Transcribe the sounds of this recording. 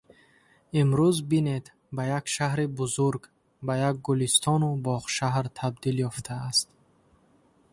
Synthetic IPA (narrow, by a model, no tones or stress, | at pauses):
imɾuzbine̞d̪ | bajakʃaɦɾibuzuɾɡ | bajaɡ̚ɡulist̪ʰɔnubɔʁʃaɦɾt̪ʰabd̪iljɔft̪ʰaːst̪̚